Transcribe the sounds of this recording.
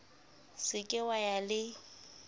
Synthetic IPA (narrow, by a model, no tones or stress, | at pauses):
sɪkʼɪwajalɪ